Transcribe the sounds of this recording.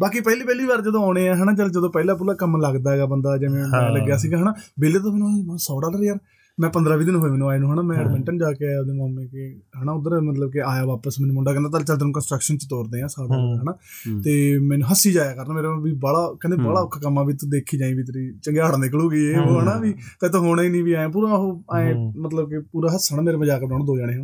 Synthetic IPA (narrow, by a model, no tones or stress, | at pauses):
baːkiːpɛːliːpɛːliːʋaːɾd͡ʒəd̪õːaːʊɽ̃eːãːɦəːnãːd͡ʒəld͡ʒəd̪õːpɛːlaːp̬ulaːkəmləɡd̪aːɛɡaːbənd̪aːd͡ʒeʋẽːmɛ̃ːləɡjaːsiːɡaːɦənaːbeːleːt̪oːmɛ̃ːnũːsɔːɽaːlɾeːəɾ | mɛ̃ːpənd̪ɾaːʋiːd̪ɪnɦoːiːmɛːnũːaːenuːɦənaːmɛ̃ːɛːɖmɛ̃ɳʈənd͡ʒaːkeːd̪eːmaːmẽːkeɦəːnãːʊd̪əɾmət̪ləb̚keaːjaːʋaːpəsmɛːnũːmʊɳɖaːkənd̪aːt̪əlt͡ʃəld̪eːnũkənsʈɾəkʃənt̪et̪oːɾd̪eːãːsaːɽãːʊaːɦənaː | t̪eːmɛːnũːɦəsiːd͡ʒaːjaːkəɾnaːmeːɾẽʋiːbəɽaːkɛ̃nd̪ebəɽaːʊkʰːkəmːãːbiːt̪ːd̪eːkʰiːd͡ʒaːĩːʋiːt̪ɾiːt͡ʃəŋɡeaːɽanekəluːɡiːeːoɦənãːʋiː | t̪ɛ̃ːt̪õːɦoːɽaːiːnĩːʋiːaːjãːp̬uːɾãːɦoːaːẽːmət̪ləbkepuːɾaːɦəsəːnãːmeːɾeːməd͡ʒaːkeaːñːd̪oːd͡ʒaːɽ̃eːɦənː